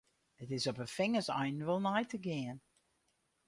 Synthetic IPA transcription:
ətɪsɔpəfɪŋəsa̰jnʋəlˠnajtʰəɡɪən

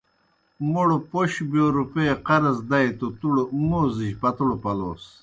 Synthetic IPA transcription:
moɽopoɕbijoɾupeqɐɾɐzd̪ɐjt̪ot̪uɽomoːziʑpɐt̪uɽopɐloːs

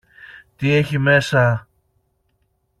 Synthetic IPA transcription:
t̪ieçime̞sɐ

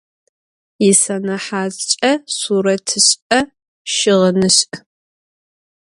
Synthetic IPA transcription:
jɪsɐnɐħaːzt͡ʃʼɐsuːɾɐtʰɨɕɐ | ʃɪʁɐnɨɕ

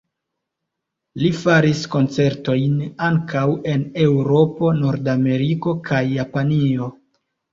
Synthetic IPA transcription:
lifaɾisko̞nt͡se̞ɾto̞jnaŋkʰawe̞ne̞wɾo̞po̞no̞ɾdame̞ɾiko̞kʰajːapanio̞

